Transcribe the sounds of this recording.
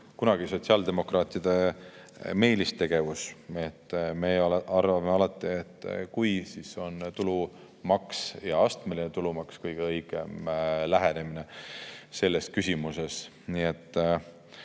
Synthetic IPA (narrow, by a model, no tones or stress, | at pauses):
kunɑɡ̥iso̞t̪ʲsiɑːld̪̥e̞mo̞krɑːt̪ˑid̪̥e̞ | me̞ːlist̪e̞ɡ̥e̞vuse̞t̪ːˑmeɑrvɑmeɑlɑt̪ːˑiet̪ːˑkujsiːso̞nt̪ulu | mɑksjɑɑst̪me̞linet̪ulumɑkskɯjɡ̥eɤjɡ̥e̞mlæɦene̞minese̞lːe̞s̚kysʲimuse̞s | niet̪ˑː